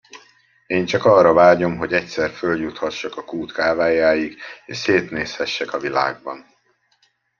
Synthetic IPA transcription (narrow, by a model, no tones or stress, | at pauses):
eːnt͡ʃɒkɒrːɒvaːɟo̞mɦo̞ɟɛcsɛrføljut̪hɒʃːɒkɒkuːt̪kaːvaːjaːjiɡḛːʃseːt̪neːshɛʃːɛkɒvila̰ːɡ̚bɒ̰n